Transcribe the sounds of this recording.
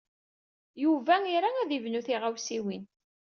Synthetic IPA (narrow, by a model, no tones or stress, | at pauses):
juvæiɾaæðivnuθiʁawsiwin